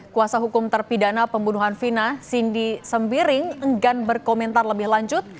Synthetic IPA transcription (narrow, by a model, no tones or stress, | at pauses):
kuasaɦukʊmt̪ərpidanapəmbunuɦanfinasindisəmbiɾɪŋəŋɡanbərkomɛnt̪arləbɪhlaɲd͡ʒʊt̪̚